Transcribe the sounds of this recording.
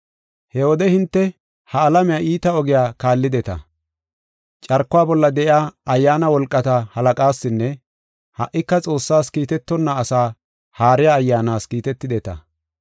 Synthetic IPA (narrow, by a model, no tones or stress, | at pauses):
hɛwɔd̪ɛhɪnt̪ːɛ | hɐːlɐmɛɪjaʔiːt̪ɐɔɡɪjaːkaːlːɪd̪ɛt̪ɐ̰ | t͡ʃʼɐɾkːʊwaːbɔlːɐd̪ɛʔɪaːɐjːaːnɐwɔlkʼːɐt̪ɐhɐlɐkʼaːsːɪnːɛ | hɐʔːɪkːɐt͡sʼo̞ːsːaːskiːt̪ɛt̪ːɔnːɐːsaː | haːɾɪjaːjːaːnaːskiːt̪ɛt̪ːɪd̪ɛt̪ɐ̰